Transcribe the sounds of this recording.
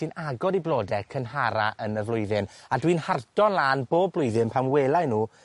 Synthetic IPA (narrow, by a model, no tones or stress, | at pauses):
ɨnaɡɔɾdiblˠoːdɛkʰənɦaɾa̰ʔənəvlˠʊɨðɪnadwinhardɔnlˠaːnboːblˠʊjðɨnpʰamweːlˠajnuː